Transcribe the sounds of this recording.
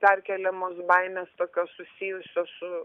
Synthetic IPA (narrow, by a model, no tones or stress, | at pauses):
pʲɛrʲkʲɛlʲɛmoːsbɐɪnʲɛst̪oːkʲoːssʊsʲɪjʊsʲosʊ